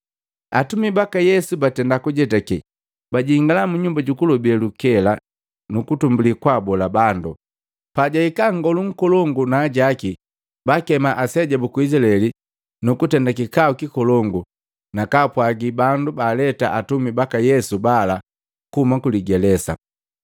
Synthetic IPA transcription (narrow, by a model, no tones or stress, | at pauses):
atumibakajɛsubatɛndakuɟɛtaki | baɟiŋɡalamuɲumbaɟukulɔbiɛlukɛla | nukutumbulikwabɔlabandṵ | paɟaikaŋɡɔluŋ̩kɔlɔŋɡunaːɟaki | bakɛmaʔasɛɟabukuislaɛli | nukutɛndakikaukikɔlɔŋɡu | nakapwaɡibandubaːlɛtaʔatumibakajɛsubala | kuumakuliɡɛlɛsa̰